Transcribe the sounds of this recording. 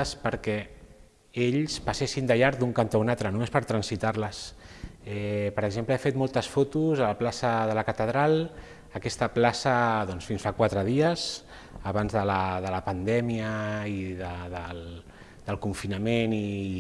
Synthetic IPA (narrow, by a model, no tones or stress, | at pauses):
spəɾkɛ | eʎspəsesind̪əʎaɾd̪uŋkant̪aunat̪ɾənumespəɾt̪ɾənsit̪aɾləs | ɛpəɾəɡzempləefet̪mɔlˠt̪əsfot̪uzələplasəðələkət̪əðɾalˠ | əkɛst̪əplasəðɔnsfinsfakwat̪ɾəðiəz | əβanzðələðələpənd̪ɛmiəiðəðəl | d̪əlˠkuɱfinəmeni